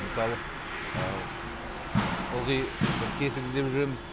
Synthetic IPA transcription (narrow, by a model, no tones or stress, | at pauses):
məsɑlˠə | ə | ʊlˠʁijkʲʰe̞sɪɡʲɪzd̪e̞pʒʏɾemɪz̥